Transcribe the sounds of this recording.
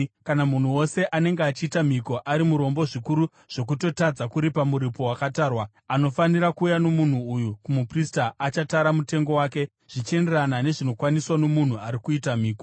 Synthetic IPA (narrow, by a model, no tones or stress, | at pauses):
kanamun̤uwo̞se̞ʔane̞ŋɡeat͡ʃiːtam̤iko̞ʔaɾimuɾo̞mbo̞ʐikuɾu | ʐ̥o̞k̬uto̞tad͡zakuɾipamuɾipo̞wakataːrwa | ano̞faniɾakuːjano̞mun̤uujukumupristaʔat͡ʃataɾamute̞ŋɡo̞waːke̞ | ʐ̥it͡ʃe̞nderanane̞ʐino̞kwaniswano̞mun̤uaɾikuitamiːko